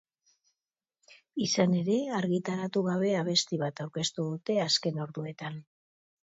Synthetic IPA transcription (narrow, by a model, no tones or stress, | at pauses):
isane̞ɾe̞aɾɣit̪aɾat̪uɣaβ̞e̞aβ̞e̞st̪iβat̪awɾke̞st̪uðut̪e̞aske̞no̞ɾðue̞t̪an